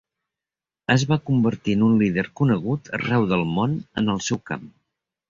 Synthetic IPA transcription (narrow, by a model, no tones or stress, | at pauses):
əzβakumbəɾt̪iənunliðəɾkunəɣut̪ʰə̰rɛwðəlˠmonə̰nəlˠsɛwka̰m